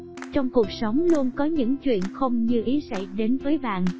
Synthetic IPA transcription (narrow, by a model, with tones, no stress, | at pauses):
t͡ɕɔ˧wŋ͡mku˨˩ək̚sə˨˦wŋ͡mlu˧ənkɔ˨˦ɲɨ̰˧˥ŋt͡ɕwḭ˧˨ənxə˧wŋ͡mɲɨ˧ʔi˨˦sa̰˧˩jɗe˨˦nvəː˨˦jɓa̰ː˧˨nʔ